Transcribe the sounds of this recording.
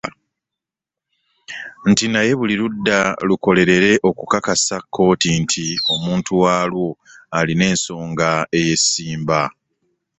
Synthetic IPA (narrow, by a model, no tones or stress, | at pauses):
n̩tinaje̞βuliludːaluko̞le̞ɾe̞ɾe̞ʔo̞kukakasakʰːo̞ːtintʰio̞muːntʰuwaːlwo̞ | aline̞ːnso̞ːŋɡae̞je̞sːiːmba